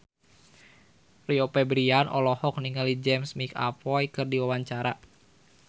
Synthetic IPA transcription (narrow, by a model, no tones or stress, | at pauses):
riɔpɛbɾianʔɔ̰lɔhɔk̚niŋalid͡ʒɛmsmika̰pɔjkɨrdiwawaɲt͡ʃaɾa